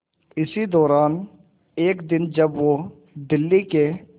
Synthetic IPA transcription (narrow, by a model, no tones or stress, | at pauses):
ɪsid̪ɔːɾaːn | eːkd̪ɪnd͡ʒɐbʋo | d̪ɪlːike